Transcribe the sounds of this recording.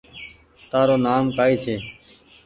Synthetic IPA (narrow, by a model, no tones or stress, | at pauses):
t̪aːɾoːnaːmkaːiːseː